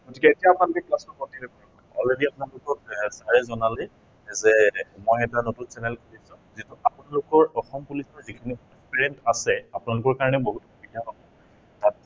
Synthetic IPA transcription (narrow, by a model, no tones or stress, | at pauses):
ɡ̥otikɛetijaːpnalʊkɛklasɔpɔtiɹɛkɔɹakɔɔ̰lɹediapunalʊkɔtsaɹɛzɔnale | zɛmojɛtanotunsɛnɛlkoɹisʊ̃ | zituapunalʊkɔɹɔxɔmpulisɔzikʰinipɔspɛɹɛntasɛapʊnalʊkɔɹkaɹɔnɛboɦutobidianɔbɔ | tat̚